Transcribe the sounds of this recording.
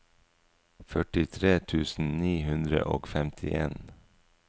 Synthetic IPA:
fœʈɪt̪ʰɾeːt̪ʰʉːsn̩niːhʉnd̪ɾə̰ʔo̰ːɡfɛmt̪ʰɪʔeːn

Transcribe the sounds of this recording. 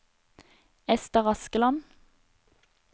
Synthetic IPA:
ɛst̪əʁɑskəlɑn

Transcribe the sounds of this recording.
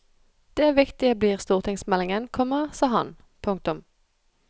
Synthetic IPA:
d̪̥eːæːʋɪkt̪ɪəbliːʁst̪uːʁt̪ʰɪŋsmɛlɪŋənkʰɔməʁsɑːɦɑ̰n | pʰʊŋk̚t̪ʊm

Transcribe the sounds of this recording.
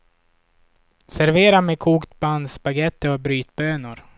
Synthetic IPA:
sæɾveːɾamekʰuːkt̪band̪spaɡɛt̪ːəɔbɾyːt̪bøːnʊɾ

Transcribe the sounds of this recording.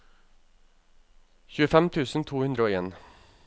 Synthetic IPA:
çʉːəfɛmt̪ʰʉːsn̩t̪ʰuːhʉnd̪ɾəoːeːn

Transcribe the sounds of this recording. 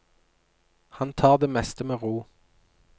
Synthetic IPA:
hɑnt̪ʰɑːʁd̪eːmɛst̪əmeːʁuː

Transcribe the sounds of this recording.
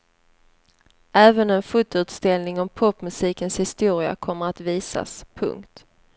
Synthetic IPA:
ʔɛːvənɛnfʊt̪ːʉ̟ːt̪st̪ɛlnɪŋɔmpʰɔpːmɵsiːkənshɪst̪uːɾɪa̰kʰɔmːəɾat̪viːsa̰spʰɵ̰ŋkt̪

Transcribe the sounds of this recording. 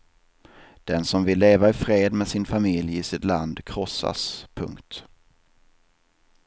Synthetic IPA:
d̪̥ɛnsɔmvɪlːeːvaɪfɾeːd̪mɛsɪnfamɪljɪsɪt̪land̪kʰɾɔsːa̰spʰɵ̰ŋkt̪

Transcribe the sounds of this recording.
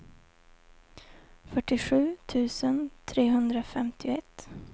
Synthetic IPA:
fœʈːɪɧʉ̟ːt̪ʰʉ̟ːsənt̪ʰɾeːɦɵnd̪ɾafɛmt̪ʰɪʊɛt̪

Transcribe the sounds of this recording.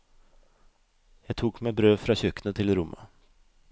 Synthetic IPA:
jɑɡt̪ʰuːkmɛbɾøːfɾɑɕœknət̪ʰɪlɾʊmːa̰

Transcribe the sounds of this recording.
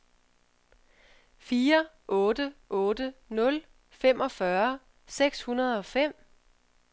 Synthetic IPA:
fiːɐ | ʔɔ̽ːd̥əʔɔ̽ːd̥ənɔ̽l | fem̰ʔɒ̽fɶɐ | seɡ̥shunɐð̞̩ˠɒ̽fem̰

